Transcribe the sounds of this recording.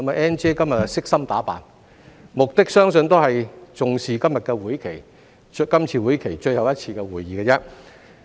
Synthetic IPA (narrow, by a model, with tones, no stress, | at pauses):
ɐ˥ma˨˩ʔɛː˥nt͡ʃeː˥kɐ˥mjɐ˨t̚ɐ˨sɪ˥k̚sɐ˥mt̪aː˨˥pa̰ː˨˩n | mʊ˨k̚t̪ɪ˥k̚sœː˥ŋsɵ˧nt̪o˥wɦɐ˨jt͡sʊ˨ŋsiː˨kɐ˥mjɐ˨t̚kɛː˧wuː˨˥jkʰe˨˩j | kɐ˥mt͡sʰiː˧wuː˨˥jkʰe˨˩jt͡ʃɵ˧jhɐ˨wjɐ˥t̚t͡sʰiː˧kɛː˧wuː˨jːiː˨kɛː˧t͡sɛː˥